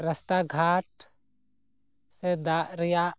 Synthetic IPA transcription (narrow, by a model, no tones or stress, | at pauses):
ɾəst̪aɡʱaʈ̚ | sed̪aʔɾɛjaʔ